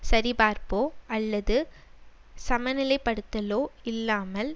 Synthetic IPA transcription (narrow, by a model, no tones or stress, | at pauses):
sɐɾibaːɾpoːɐlːɐðɯ | sɐmɐnɪlɐɪpːɐɽɯt̪ːɐloːɪlːaːmɐl